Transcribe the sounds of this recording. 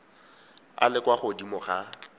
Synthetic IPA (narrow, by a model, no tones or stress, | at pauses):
a̰lɪkwaχʊdimʊχa